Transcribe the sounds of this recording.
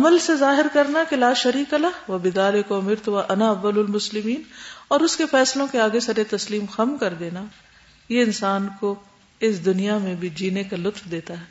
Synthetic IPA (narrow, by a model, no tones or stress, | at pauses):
ɐməlsezaːɦɪɾkɐɾnakelaːʃɐɾiːkɐlaʋɐbɪd̪aːlɪkʊmɪɾt̪ʊʋaʔɐnaɐʋːɐlʊlmʊslɪmiːnɔːɾʊskefɛːslõkeaːɡesɐɾet̪ɐsliːmxɐmkɐɾd̪eːna | jeɪnsaːnko | ɪsd̪ʊnijamẽbʱid͡ʒiːnekalʊt̪fd̪eːt̪aɦɛː